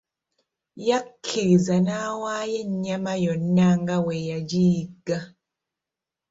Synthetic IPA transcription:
jakʰːiɾizanawajɛɲamajɔnaŋɡawɛjad͡ʒiɡa

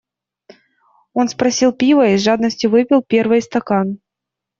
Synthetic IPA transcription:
o̞n̪spɾɐsʲilˠpʲivəiʐad̪nəsʲtʲjʊvɨpʲɪlˠpʲe̞rvɨjst̪ɐkan

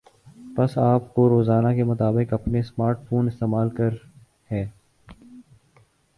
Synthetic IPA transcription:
pɐsaːpkoɾoːzaːnakemʊt̪aːbɪqɐpnesmaːɾʈfʰoːnɪst̪eːmaːlkɐɾ | hɛː

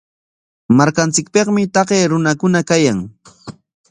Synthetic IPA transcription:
maɾkant͡sɪk̚pɑχmɪt̪ɑɢeːɾʊnakʊnakajaŋ

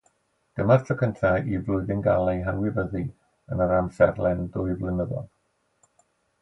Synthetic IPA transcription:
ɡ̥əmartʰɔkʰəntʰaivlʊɨðɪnɡalˠɛjɦawɪvəði | ənəɾamsɛ̰rlˠɛndʊɨvlɪnəðɔ̰lˠ

